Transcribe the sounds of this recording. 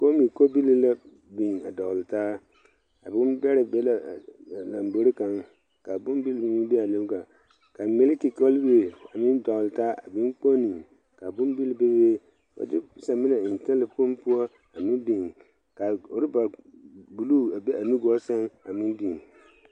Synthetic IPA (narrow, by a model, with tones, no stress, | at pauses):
ko˦mi˨ko˦bi˦li˦la˦ | bi˨a˨dɔ˨ɣltaː˦ | a˨bɪ˦mbɛ˦ɾɪ˨bɛ˦la˨la˨mbo˨ɾi˦ka˨ŋ | ka˨bʊ˦m˦bi˦lbmi˦bɛ˦a˨lo˦bɡa˨ | ka˨me˦lki˨kɔ˦lbi˦e˨a˨mɪ˦n˦dɔ˨ɣltaː˦ʔa̰˨bɪ˦k͡po˦ni˨ | ka˨bʊ˦m˦bi˦lbe˦be˦ | ɔ̰˨dɪ˦sa˨mɪ˦nɛ˨ɪ˨n˨tɛ˦lɪ˨pʊ˦mpu˦ɔ˦ | a˨mɪ˦bi˨ŋ | ka˨ʊ˨ɾɪ˦ba˨bu˨lu˦˨a˨be˦a˨nu˦ɡɔ˦sɛ˦ŋa˨mɪ˦n˦bi˨n